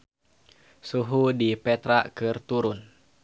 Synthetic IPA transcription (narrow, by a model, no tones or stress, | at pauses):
suɦudipɛt̪ɾaʔkɨrt̪uɾʊn